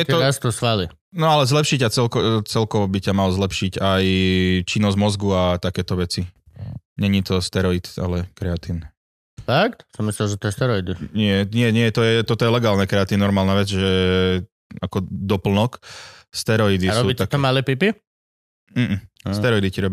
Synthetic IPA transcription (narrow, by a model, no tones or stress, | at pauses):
ɛt̪ɔɾast̪ɔsʋali | nɔalɛzlɛpʃicat͡sɛlkɔt͡sɛlkɔʋɔbicamalzlɛpʃiɟajt͡ʃinːɔzmɔzɡuat̪akɛːt̪ɔʋɛt͡si | ɲɛɲit̪ɔst̪ɛɾɔit̪a̰lɛkɾɛat̪in | fakt̪sɔmislimʒɛt̪ɔjɛst̪ɛɾɔid̪iɲɪɛɲɪɛɲɪɛt̪ɔjɛt̪ɔt̪ɔjɛlɛɡaːlnɛkɾɛat̪innɔɾmaːlnaʋɛd͡zʒɛ | akɔd̪ɔpl̩nɔkst̪ɛɾɔid̪isɾɔubit̪at̪ɔmalɛpipi | m̩ːm̩sɛɾɔid̪iciɾɔb